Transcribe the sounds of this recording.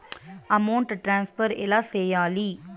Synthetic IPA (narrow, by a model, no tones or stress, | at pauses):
ɐmɐwɳʈʈɾaːnspɐɾɛlaːsɛjaːli